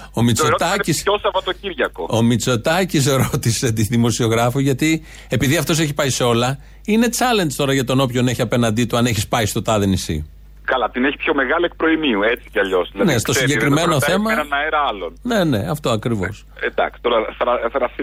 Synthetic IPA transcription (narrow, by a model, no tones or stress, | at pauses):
o̞mit͡sot̪ɐcisosɐvɐt̪ociɾʝɐko̞o̞mit͡so̞t̪ɐcis̬ɾo̞t̪ise̞t̪iðimo̞sio̞ɣɾɐfoʝɐt̪i | e̞piðiɐft̪o̞s̬e̞çi̥pɐjiseo̞lɐ | ine̞t͡sɐle̞nst̪o̞ɾɐʝɐt̪ono̞pço̞neçiɐpe̞nɐnd̪it̪uɐne̞çispɐist̪o̞t̪ɐðenisḭ | kɐlɐt̪ineçi̥pço̞me̞ɣɐlie̞k̚pɾo̞imiuet͡si̥cɐʎo̞zðilɐneso̞siɟekɾime̞no̞θθe̞mɐɐnɐeɾɐɐlonne̞ne̞ɐft̪o̞ɐkɾivo̞̰s | d̪ɐ̰ksi̥t̪oɾɐθɾɐθɾɐsi